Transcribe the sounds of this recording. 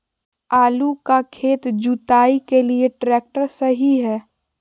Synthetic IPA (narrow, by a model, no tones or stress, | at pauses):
aːlukakʰeːt̪d͡ʒut̪aːikelieʈɾɛːk̚ʈəɾsəɦiɦɛː